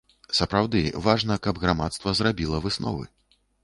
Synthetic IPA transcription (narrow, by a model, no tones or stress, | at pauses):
sɐpɾawd̪ɨvaʐnɐkɐbɣɾamat̪st̪vɐzɾabʲilˠɐvɨsnɔ̰vɨ̰